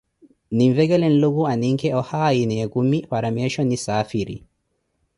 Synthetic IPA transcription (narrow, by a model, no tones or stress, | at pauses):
niɱvɛɡɛlɛnluɡuaniŋkɛɔhaːjinɛɡumːifaɾamɛʃɔnisaːfiɾḭ